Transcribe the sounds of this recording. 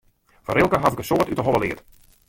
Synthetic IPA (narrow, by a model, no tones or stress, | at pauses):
fɔɾɪlˠkəɦatɪkəsoːtytəɦɔləlɪ̰ət